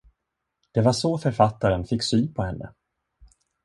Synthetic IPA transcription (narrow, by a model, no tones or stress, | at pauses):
d̪̥ɛvaʂɔfœɾfat̪ːaɾənfɪkːsyːnpʰɔhɛnːə̰